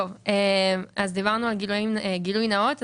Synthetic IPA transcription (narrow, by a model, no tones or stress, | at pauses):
ovemʔazd̪ivaʁnualɡilujimeɡilujnaot̪